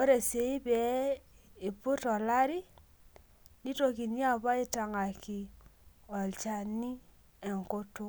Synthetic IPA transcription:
o˦ɾe˨se˨i˦bɛ˨ | ɪ˨pʊ˦tɔ˨la˦ɾi˦ | ni˦to˦ki˨ni˦a˦˨ba˦i˦ta˨ŋa˨ki˨ | ɔ˨lt͡ʃa˦ni˦ | ɛ˨ŋko˦tu˦

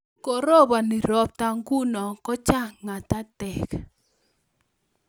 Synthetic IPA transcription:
kɔ˨ɾɔ˦˨βa˨ni˨ɾɔ˦p̚ta˦ŋɡu˦nɔ˨kɔ˦t͡ʃa˦ŋa˨ta˦tɛ˨k

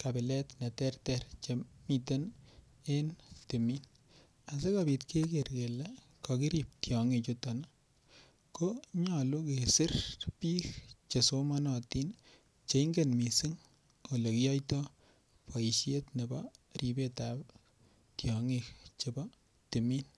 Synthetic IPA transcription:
ka˨bɪ˨lɛ˦tnɛ˨tɛrtɛrt͡ʃemi˨ten | e˦nti˨min | a˨se˦kabi˨tkʰe˦kerke˨le˦ | kɔki˦ɾi˨p̚tjɔ˨ŋi˨t͡ʃotɔ˨na˦ | koɲɔ˨lo˦ke˨sɪ˦rpi˦kt͡ʃe˨soma˦nɔ˨ti˦n | t͡ʃe˨ŋɡenmi˨si˦ŋ | o˨le˨ki˦jɔ˦jtɔ | pɔ˨i˨ʃe˦tne˨bɔri˨be˦tap | tjɔŋik̚t͡ʃe˨bɔ | ti˨mi˦n

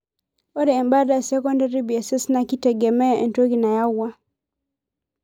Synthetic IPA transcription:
ɔ˦dɛː˨mba˦da˨sɛ˦kɔ˦nda˦ɾi˦bi˨ɛ˨sɛ˦sna˨ki˦tɛ˨ɡɛ˨mɛ˦ʔɛ˨nto˦ki˨na˨ja˦wːa˦

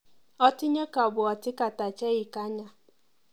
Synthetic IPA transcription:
ɔ˦tɪ˦ɲe˦ka˨bʊ˨ɔ˨tɪ˦ka˨ta˨t͡ʃe˦ɣɪ˨ka˦ɲa˨

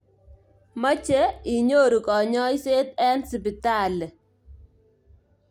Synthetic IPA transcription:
ma˦t͡ʃe˦ɪ˨ɲo˦ɾu˨kɔ˨ɲɔ˦ɪ˦se˦t̪ɛ˦nsi˨pɪ˨ta˦˨lɛ˨

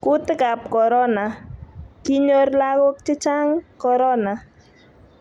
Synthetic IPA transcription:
kʊ˦t̪ka˨p̚kɔ˨ɾɔ˦na˨ki˦ɲo˦rla˦ɣʊ˦k̚t͡ʃɪ˦t͡ʃa˦ŋkɔ˨ɾɔ˦na˨

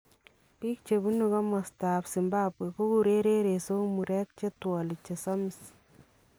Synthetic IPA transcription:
piː˦k̚t͡ʃe˨bu˦nuka˦mɔ˨sta˨psɪ˨mba˦pwe˨ko˦ku˨ɾe˦ɾe˦ɾeso˦mu˨ɾɛ˦k̚t͡ʃe˦twɔlɪ˨t͡ʃe˨sɔ˦mis

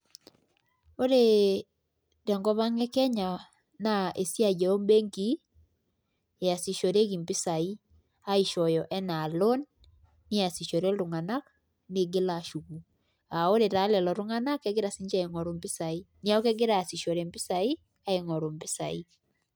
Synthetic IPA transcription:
o˦ɾe˨ | tɛ˨ŋɡɔ˦βa˦ŋɛ˦kɛ˦ɲa˨ | na˦˨e˨sja˦d͡ʒɛ˨o˦mbe˦ŋɡi˦ | e˨a˨si˨ʃɔ˨ɾe˦ɡi˨mbɪ˦sa˨i˦ | a˦i˨ʃɔ˨jɔ˨ʔɛ˦na˨lo˦nː | ɪ˦a˨si˨ʃɔ˨ɾe˦ɾʊ˨ŋa˨na˦k | ne˨ɡɪ˦la˨ʃu˨ku˨ | a˨o˦ɾe˨ɾa˨˦lɛ˨lɔ˨ɾʊ˦ŋa˦na˦kɛ˦ɡɪ˦ɾa˨si˦ɲd͡ʒa˦e˨ŋɔ˨ɾu˨mbɪ˦sa˨i˦ | ni˦a˦o˦kɛ˦ɡɪ˦ɾa˦a˨si˨ʃɔ˨ɾe˨mbɪ˦sa˨i˦ | a˦e˨ŋɔ˨ɾo˨mbɪ˦sa̰˨i˦

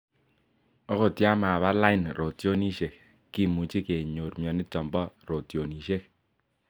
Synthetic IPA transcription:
ɔ˦ko˨tja˦ma˨βa˦la˦i˦nɾo˨tjo˦ni˦ʃe˨k | ki˦˨mu˨t͡ʃi˦ke˨ɲo˨ɾmjɔ˨nɪ˦tɔ˨mbɔ˦ɾo˨tjo˨ni˨ʃe˦k̚

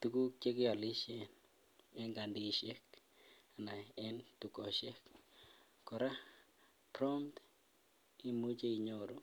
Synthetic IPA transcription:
tu˦ku˦t͡ʃe˦kɪ˦ɔ˨li˦ʃe˨n | ɛ˦ŋɡa˨ndi˦˨ʃe˦k | a˨na˨ɛ˦ntu˨kɔ˨ʃe˦kː | ɔ˨ɾa˦ | pɾɔ˦mt | i˦mu˦t͡ʃe˦i˨ɲo˨ɾo˦

